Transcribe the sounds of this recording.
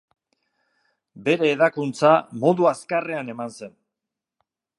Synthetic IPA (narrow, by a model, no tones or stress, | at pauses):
be̞ɾe̞ːðakunt͡samo̞ðuaskare̞ane̞manse̞n